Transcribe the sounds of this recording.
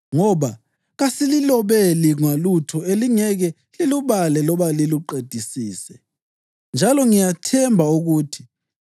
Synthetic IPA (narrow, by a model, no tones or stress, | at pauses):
ŋɔβa | ɣasililɔβeliŋalutʰɔeliŋɛɣɛ | liluβalɛlɔβaliluǃed̥ʱisiːsɛ | nd͡ʒʱalɔŋijatʰɛmbʱauɣuːtʰi̥